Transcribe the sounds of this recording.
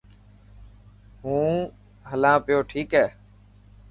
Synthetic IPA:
ɦũː | ɦəlãːpɪjoːʈʰiːkɦɛː

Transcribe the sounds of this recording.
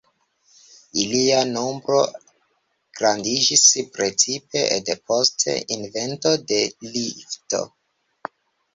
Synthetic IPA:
iliano̞mbɾo̞ | ɡ̥ɾandid͡ʒispɾe̞t͡sipe̞depo̞stʰe̞̰ʔinve̞ntode̞lifto̰

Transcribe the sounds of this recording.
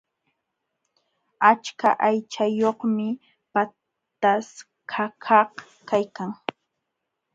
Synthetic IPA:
at͡ʃkaʔajt͡ʃajoχmɪ | pa | t̪as | kʰakʰɑh | kajkaŋ

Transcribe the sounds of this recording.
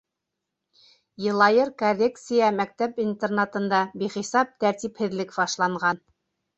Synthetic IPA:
jɤ̆lˠɑjɤɾkolʲːekt̪sɨjɑmæk̚t̪æpint̪ernat̪ɤ̆nd̪ɑbiχisɑp̚t̪æɾt̪iphɘ̆ðlɘkbɑʃlˠɑɴʁɑn

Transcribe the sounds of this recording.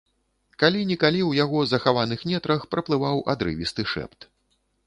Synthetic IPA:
kalʲinʲɛkalʲiwjaɣɔzɐxavanɨxmʲɛt̪ɾɐxpɾɐplˠɨvawʔa̰d̪ɾɨ̰vʲist̪ɨʂɛ̰pt̪

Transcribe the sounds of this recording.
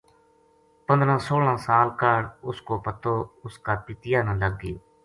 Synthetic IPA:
pənd̪ɾãːsoːlãːsaːlkəɽʊskoːpət̪oːʊskaːpɪt̪ɪjaːnãːləɡːɪjoː

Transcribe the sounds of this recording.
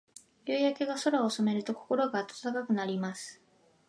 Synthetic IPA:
jɯːjake̞ɡaso̞ɾaosome̞ɾɯ̟t̪o̞ko̞̥ko̞ɾo̞ɡaːt̪ḁt̪akakɯ̟naɾʲimasɨ̥

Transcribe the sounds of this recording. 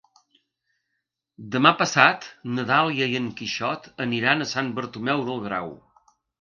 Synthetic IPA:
d̪əmapəsat̪nəðalˠiəiəŋkiʃɔt̪əniɾanəsanbəɾt̪umɛwðəlˠɣɾa̰w

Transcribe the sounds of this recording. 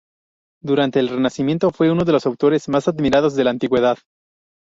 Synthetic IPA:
d̪uɾant̪e̞ːlre̞nasimje̞nt̪o̞fwe̞uno̞ðelo̞sawt̪o̞ɾe̞zmasaðmiɾaðo̞zðe̞laːnt̪iɣwe̞ðað

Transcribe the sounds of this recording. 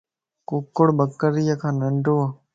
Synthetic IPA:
kʊkːoɽbəkːəɾɪjakʰãːnəɳɖoːa

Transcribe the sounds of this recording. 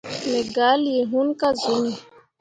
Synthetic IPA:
neɡaːlieɦunkazʊni

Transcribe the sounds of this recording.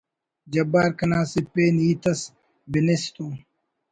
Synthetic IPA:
d͡ʑɐbaːɾkɐnaːsipeːniːt̪ɐs | binest̪uː

